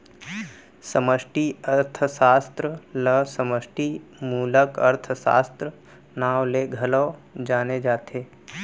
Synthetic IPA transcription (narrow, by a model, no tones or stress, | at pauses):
səməʃʈiɐɾt̪ʰəsaːst̪ɾələsəməsʈimuːləkɐɾt̪ʰəsa̰ːst̪ɾə | naːwleɡʱɐləːd͡ʒaːned͡ʒaːt̪ʰeː